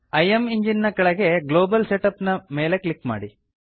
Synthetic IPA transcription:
ɐjemiɲd͡ʒinːɐkɐɭɐɡeɡloːbɐlseʈɐpnɐmeːlekɭikːma̰ːɽi

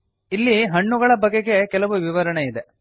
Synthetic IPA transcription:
ilːiɦɐɳːuɡɐɭɐbɐɡeɡe̞kɛlɐʋuʋiʋɐɾɐɳeid̪e

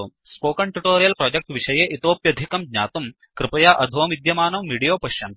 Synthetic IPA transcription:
spoːkɐɳʈuʈoːɾijɐlpɾoːd͡ʒɐk̚ʈʋiʂɐjeːʔit̪oːpjɐd̪ʱikɐmɡɲaːt̪um | kɾɨpɐjaːʔɐd̪ʱoːmid̪jɐmaːnɐmːiːɽijoːpɐʃjɐn

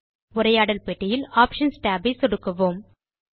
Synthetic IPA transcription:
ʊɾɐjaːɽɐlpeʈːɪjɪlaːpʂɐnsʈaːbisɔɽɯkːɐʋoːm

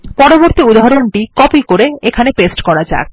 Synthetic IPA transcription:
pɔɾoboɾt̪iud̪ʱaɦaɾoɳʈikɔpikoɾeekʰanepesʈkɔɾad͡ʑa̰ek

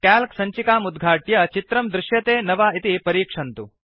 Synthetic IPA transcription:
kaːlksɐɲt͡ʃikaːmud̪ɡʱaːʈjɐt͡ʃit̪ɾɐmd̪ɾuʃjɐt̪eːnɐʋaːit̪ipɐɾiːkʂɐnt̪u

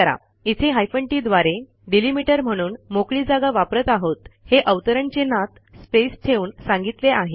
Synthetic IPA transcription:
əɾa̰ | it̪ʰeɦajfəɳʈid̪ʋaɾe | ɖilimiʈəɾm̤əɽ̃uːnmokɭiːd͡zaɡaʋapɾət̪aɦot̪heʔəʋt̪əɾəɳt͡ɕenat̪ | spest̪ʰeuːnsãŋɡit̪leaɦe

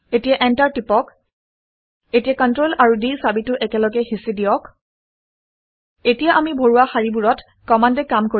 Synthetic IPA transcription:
etijaʔɛntaɹtipɔk | etijakɔntɹolaɹudisabitʊʔɛkɛlɔɡɛxisidijɔk | etijaʔamibʱoɹuwaxaɹibuɹɔt | kɔmandɛkamko

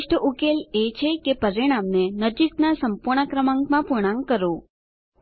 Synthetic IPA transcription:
ʃʈʰəukelet͡ʃʰekepəɾiɽ̃amnenəd͡ʒiknasəmpuɾɳ̃əkɾəmãŋɡmãpuɾɳ̃ãŋkəɾo

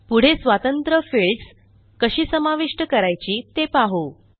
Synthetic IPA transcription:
puɽ̤esʋat̪ənt̪ɾəfiɭɖs | kəɕiːsəmaʋiʂʈəkəɾajt͡ɕiːt̪epaɦo

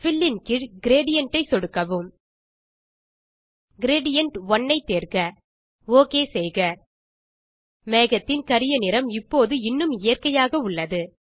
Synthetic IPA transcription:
fɪlːɪnkɪɻɡɪɾeːɽɪjɐɳʈɐɪsɔɽɯkːɐʋɯm | ɡɪɾeːɽɪjɐɳʈʋɔɳːɐɪt̪ːeːɾɣɐ | oːkeːsɛjɣɐ | meːɣɐt̪ːɪnkɐɾɪjɐnɪɾɐmɪpːoːðɯɪnːɯmɪjɐrkɐjaːɣɐʊɭːɐðɯ

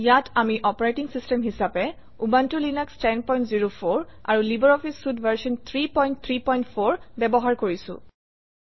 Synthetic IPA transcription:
jatamiʔɔpɔɹajtiŋsistɛmɦisapɛ | ubantulinɛkstɛnpɔj̃ntziɹopʰoɹa̰ɹulibɔɹɔfʰisːudvaɹsɔnt̪ʰɹipɔjnt̚t̪ʰɹipɔjntfʰoɹbɛbɔɦaɹkoɹisʊ̰̃

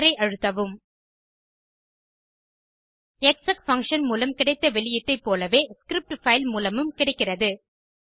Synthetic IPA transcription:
ɾɐɪʔɐɻɯt̪ːɐʋɯm | ɛksɐkfɐŋkʂɐnmuːlɐmkɪɽɐɪt̪ːɐʋɛɭɪjɐt̪ːɐɪpːoːlɐʋeːskɾɪp̚ʈfɐɪlmuːlɐmɯmkɪɽɐɪkːɪrɐðɯ

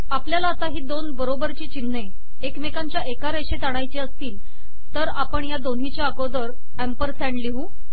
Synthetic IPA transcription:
apljalaːt̪aɦiːd̪onbəɾobəɾt͡ɕiːt͡ɕinːe | ekmekaɲt͡ɕjaʔekaɾeɕet̪aɽ̃ajt͡ɕiəst̪iːl | t̪əɾapəɳjad̪onɦit͡ɕjaəɡod̪əɾ | æmpəɾsɛ̃ɳɖliɦũː

